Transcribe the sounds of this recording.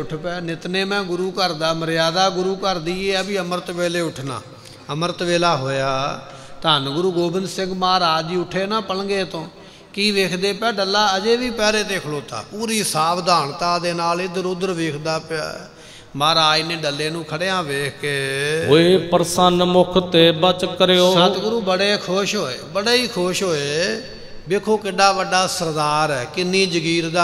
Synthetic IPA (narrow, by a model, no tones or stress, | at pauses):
ʊʈʰpɛːnɪt̪neːmɛ̃ːɡʊɾuːkəɾd̪aːməɾjaːd̪aːɡʊɾuːkəɾd̪iːeːəbiːəməɾət̪ʋeːleːʊʈʰna̰ː | əməɾət̪ʋeːlaːɦoːjaː | t̪aːnɡʊɾuːɡoːbɪnd̪sɪ̃ŋɡmaːɾaːd͡ʒiːʊʈʰeːnãːpəlɡeːt̪õː | kiːʋeːkʰd̪eːpɛːɖəlːaːəd͡ʒeːʋiːpɛːɾeːt̪eːkʰloːt̪a̰ːpuːɾiːsaːbd̪ʱaːɳt̪aːd̪eːnaːlɪd̪əɾʊd̪əɾʋeːkʰd̪aːpː | maːɾaːineːɖəlːeːnũːkʰəɽeːãːʋeːkːeːoeːpəɾsənmʊkʰt̪eːbət͡ʃkːəɾeːosːət̪ɡʊɾuːbəɽeːkʰʊʃɦoːḛːbəɽeːiːkʰoʃɦoːeː | beːkʰoːkɪɖaːʋəɖaːsəɾd̪aːɾɛːkɪnːiːd͡ʒəɡiːɾd̪aː